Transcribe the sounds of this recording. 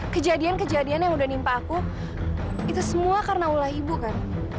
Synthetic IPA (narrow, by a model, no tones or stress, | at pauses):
kəd͡ʒadiankəd͡ʒadianjaŋudahnimpaːku | it̪usəmuakarnaulahibukan